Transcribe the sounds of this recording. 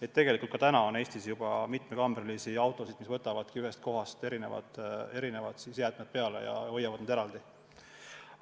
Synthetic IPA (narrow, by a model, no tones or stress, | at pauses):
e̞t̪ːe̞ɡe̞likult̪kɑ̥t̪ænɑo̞ne̞ːst̪isjubɑmit̪ˑme̞kɑmrlisiɑwt̪ːˑo̞sid̪̥misvɤ̞t̪ːˑɑvɑd̪̥kiyɦe̞st̪̚ko̞ɦɑst̪e̞ɾine̞vɑ̰d̪̥e̞ɾine̞vɑd̪̥sisjæːd̪̥med̪̥̚pe̞ɑle̞̰jɑ̰o̞jːɑvɑd̪nɑd̪eɾɑld̪i